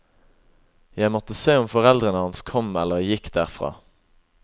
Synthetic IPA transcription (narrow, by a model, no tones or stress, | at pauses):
jæɪmɔt̪əseːʊmfɔʁɛld̪ʁənəhɑnskʰɔmɛlːəʁjɪkd̪̥æːʁfʁɑ̰ː